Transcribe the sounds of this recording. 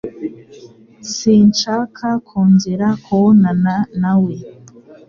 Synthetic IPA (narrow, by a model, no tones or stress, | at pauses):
siːnt͡ʃakʰakʰuːnziɾakʰuonananawe